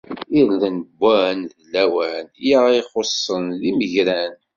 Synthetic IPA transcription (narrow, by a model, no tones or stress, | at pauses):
iɾlənəbʷːænðlːæwænjaiχosˤːənðiməʝɾæn